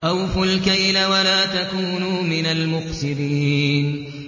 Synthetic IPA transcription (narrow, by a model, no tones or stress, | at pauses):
ʔawfʊlkajlawalaːt̪akuːnumɪnalmʊqsɨdiːn